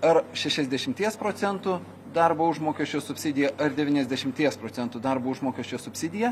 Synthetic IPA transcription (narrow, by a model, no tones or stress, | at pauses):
ɐɾʃʲɛʃʲɛzʲd̪ʲɛʃʲɪmʲt̪ʲiɛspɾoːt̪sʲɛnt̪ʊ | d̪ɐɾboːʊʒmoːkʲɛʃʲt͡ʃʲoːsʊpʲsʲɪd̪ʲɪjɛʔɐɾd̪ʲɛʋʲiːnʲɛzʲd̪ʲɛʃʲɪmʲt̪ʲiɛspɾoːtsʲɛnt̪ʊd̪ɐɾboːʊʒmoːkʲɛʃʲt͡ʃʲoːsʊpʲsʲɪd̪ʲɪjɛ